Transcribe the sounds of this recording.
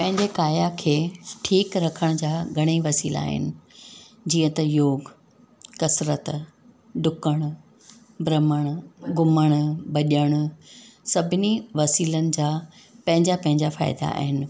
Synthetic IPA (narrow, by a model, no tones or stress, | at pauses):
pɐ̃ɦɪ̃ɲd͡ʑekaːjakʰeːʈʰiːkɾɐkʰəɽ̃d͡ʑaːɡʱɐɽ̃iʋɐsiːla̰ːɦɪ̰nɪ̆ | d͡ʑiːə̃t̪ɐjoːɡ | kɐsɾət̪ | ɖʱʊkəɽ̃ | bɾɐməɽ̃ɡʊməɽ̃bɐʄəɽ̃sɐbʱɪniʋɐsiːlənɪ̆d͡ʑaː | pɐ̃ɦɪ̃ɲd͡ʑapɐ̃ɦɪ̃ɲd͡ʑafa̰ːɪd̪a̰a̰ːɦɪnɪ̆